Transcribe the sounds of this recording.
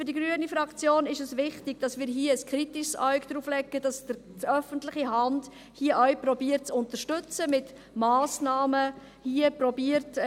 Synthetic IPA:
fʏɾdiɡɾyənifɾɑkt͡sjoːnɪʃəsʋɪχtɪɡ̥̚d̥ɑsmɪːɾɦiəəskʰɾitɪʃsaɥkd̥̪ɾuːflɛɡəd̥ɑsd̥ə | tœfənt̪lɪχiɦɑnd | hiəʔœwprɔbiəɾt̚t͡sʊntəʃtʏt͡səmɪt | mɑːsnɑːmə | hiəpɾɔbiəɾt

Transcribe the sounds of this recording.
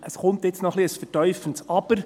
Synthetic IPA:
ʔəsχʊmt̪jɪt͡snɔχliəsfətœʏfəntsɑb̥əɾ

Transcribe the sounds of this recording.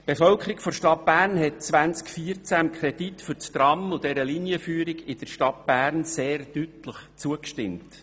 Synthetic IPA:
b̥efœlkʰəɾikfɔʃtɑt̚b̥æːɾnhɛt̚t͡sʋænt͡skfiːɾt͡sæmkʰɾɛditfʏɾt͡st̪ɾɑmʊd̥ɛɾəliniəfyːəɾiɡɪd̥əɾʃtɑt̚b̥æːrnseːrd̥ytləχt͡suəkʃtɪmt

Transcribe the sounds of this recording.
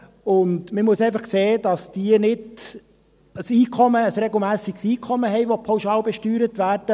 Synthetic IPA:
ʊndməmuəsɛɪfɑχkseːd̥ɑsd̥iənɪd | əsiːkʰɔməəsɾɛɡl̩ˠmæːsiɡsiːkʰɔməɦɛɪʋopʰawʃɑːlbɛʃtyːɾətʋæːɾd̥ə

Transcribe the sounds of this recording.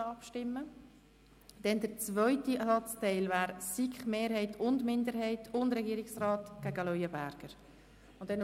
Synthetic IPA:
ɑpʃtɪmːə | d̥ɛndəɾt͡svœʏtisɑt͡stɛɪlvaːɾsikχmeːɾɦɛɪtʰʊndmɪndəɾhɛɪtʊndɾɛɡiːɾɪksrɑːtɡ̥æɡəlœʏəbæɾɡ̥əɾ | ʊnd̥ɛn

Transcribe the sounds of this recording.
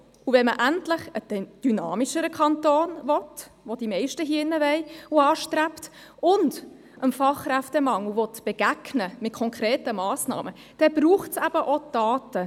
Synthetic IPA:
uvɛnməʔæntlɪχəd̥d̥ynɑːmiʃəɾəkʰɑntoːnvɔtʋod̥imɛɪʃtəɦiːɪnːəʋɛɪuɑːʃtræpt | ʊnd | ʔəmfɑχræftəmɑŋəvɔtb̥ɛɡ̥æɡnəmɪt̚kʰɔŋkʰɾɛːtəmɑːsnɑ̰ːmə | d̥ɛbɾuːχtsæb̥əʔod̥ɑːtə

